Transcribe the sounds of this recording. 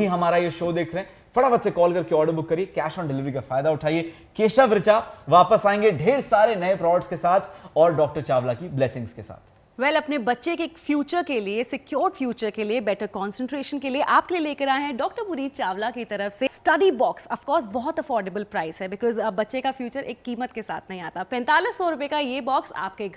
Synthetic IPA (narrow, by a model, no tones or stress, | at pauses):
bʱiɦɐmaːɾajeʃoːd̪eːkʰɾɐɦɛ̃ | fɐɽaʋɐt̪sekɔːlkɐɾkeɔːɖəɾbʊkːɐɾiekɛːʃɔ̃ːnɖɪlɪʋɾikafaːɪd̪aʊʈʰaːie | keːʃaʋɾɪt͡ʃaʋaːpəsaːẽːŋɡeɖʱeːɾsaːɾenɐepɾɔːʋəʈskesaːt̪ʰɔːɾɖɔːk̚ʈəɾt͡ʃaːʋlakiblɛːsɪ̃ŋɡskesa̰ːt̪ʰ | ʋɛlɐpnebɐtːʃekekfjuːt͡ʃəɾkeliesɪkjoːɾɖfjuːt͡ʃəɾkeliebɛʈəɾkɔ̃ːnsə̃ɳʈɾeːʃə̃nkelieʔaːp̚kelieleːkɐɾaːeɦɛ̃ɖɔːk̚ʈəɾbʊɾiːd͡ʒ̚t͡ʃaːʋlakit̪ɐɾəfsesʈɐɖibɔːksɐfkɔːɾsbɔɦɔt̪ɐfɔːɾɖebəlpɾaːɪsɦɛbɪkɔːzbɐtːʃekafjuːt͡ʃəɾʔeːkːiːmət̪kesa̰ːt̪ʰnɐɦĩaːt̪apɛ̃ːnt̪aːlɪsɔːɾʊpekajebɔːksa̰ːp̚ke